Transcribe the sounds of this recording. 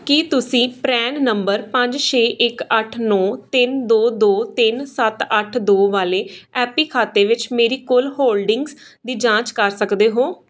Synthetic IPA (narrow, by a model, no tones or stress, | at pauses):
kit̪ʊsĩːpɾɛːnnəmbəɾpə̃ɲd͡ʒt͡ʃʰeːʔɪkəʈʰnɔːt̪ɪnd̪oːd̪oːt̪ɪnsət̪əʈʰd̪oːʋaːleːɛːpiːkʰaːt̪eːʋɪt͡ʃmeːɾiːkʊlɦoːlɖɪ̃ŋɡs | d̪iːd͡ʒãːt͡ʃkəɾsəkd̪eːɦoː